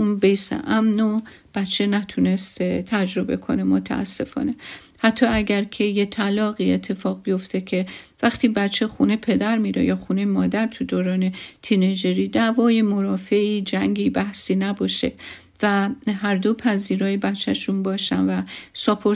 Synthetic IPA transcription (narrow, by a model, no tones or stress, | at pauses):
unbejsḛʔæmno | b̥æt͡ʃʰːe̞næt̪ʰune̞st̪ʰet̪ʰæd͡ʒɾo̞be̞kʰo̞̰ne̞mo̞t̪ʰæ̰æ̰sːe̞fɒ̰ːne̞ | hæt̪ʰːɒːæɟæɾcʰe̞je̞t̪ʰælɒːɣiːet̪ʰːe̞fɒːɣbijo̞ft̪ʰecʰe̞væxt̪ʰiːbæt͡ʃʰexunepʰe̞d̪æɾmiːɾḛjɒːxunejmɒːd̪æɾt̪ʰud̪oːɾɒːne̞t̪ʰined͡ʒeɾiːd̪ævɒːje̞mo̞ɾɒːfeiːd͡ʒæŋɟiːbæhsiːnæbɒːʃe̞̰ | væɦæɾd̪opʰæziːɾɒːjebæt͡ʃʰːæʃunbɒːʃænvæsopʰoɾ